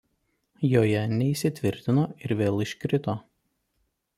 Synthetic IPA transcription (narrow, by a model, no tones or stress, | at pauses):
joːjɛnʲɛiːˑsʲɪt̪ʲʋʲɪɾʲt̪ʲɪnoːɪɾʋʲeːlˠɪʃʲkɾʲɪt̪oː